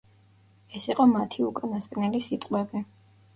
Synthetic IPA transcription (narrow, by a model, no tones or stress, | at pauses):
ɛsiqʼɔmat̪ʰiukʼanaskʼnɛlisit̪ʼqʼwɛbi